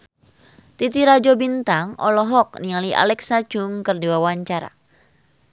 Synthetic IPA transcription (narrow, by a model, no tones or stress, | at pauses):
t̪it̪iɾad͡ʒobint̪aŋɔlɔɦɔk̚niŋaliʔa̰lɛksḁd͡ʒ̥ʊŋkɨrdiwawaɲt͡ʃaɾa̰